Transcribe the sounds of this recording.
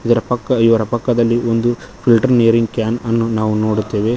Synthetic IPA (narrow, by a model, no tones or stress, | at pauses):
id̪ɐɾɐpɐkːɐiʋɐɾɐpɐkːɐd̪ɐlːio̞nd̪upʰilʈɐɾnejɐɾiŋɡkjaːnɐnːunaːʋuno̞ːɽut̪ːeːʋe̞